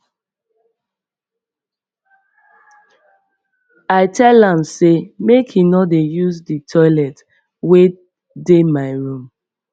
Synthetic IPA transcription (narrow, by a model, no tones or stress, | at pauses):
aɪtʰɛlãmsemekhinɔdejuzditʰɔɪlɛt | we | demaɪɹũm